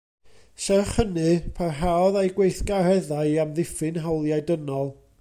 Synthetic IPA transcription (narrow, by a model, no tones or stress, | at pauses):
sɛrχənɨpʰarɦaɔðajɡwejθɡ̥aɾɛðaɨamðɪfɨnɦawlˠjajdənɔlˠ